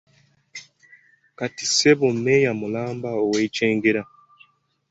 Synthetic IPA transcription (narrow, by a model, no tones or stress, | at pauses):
kati̥seβomejamulaːmbaoweit͡ʃeːŋɡeɾa